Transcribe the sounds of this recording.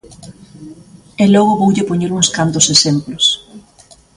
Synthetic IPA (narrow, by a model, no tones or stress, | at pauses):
elɔɣʊβowʎɪpoɲeɾuŋskant̪ʊsesemplos